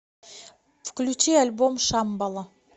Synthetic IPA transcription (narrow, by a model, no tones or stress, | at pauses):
fkʲlʲʉt͡ʃialʲbomʃɑmbɑlˠə